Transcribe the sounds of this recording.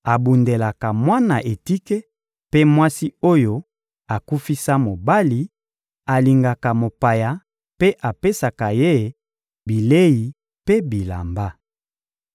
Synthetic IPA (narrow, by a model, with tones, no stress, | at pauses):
a˨bu˨nde˨la˨ka˨mwa˦na˨ʔe˨ti˦ke˦ | pe˦mwa˦si˦o˦jo˦ | a˨ku˦fi˦sa˦mo˨ba˦li˨ | a˨li˨ŋɡa˨ka˨mo˨pa˨ja˨ | pe˦ʔa˨pe˦sa˨ka˨je˦˨ | bi˨le˦ji˨ | pe˦bi˨la̰˨mba˦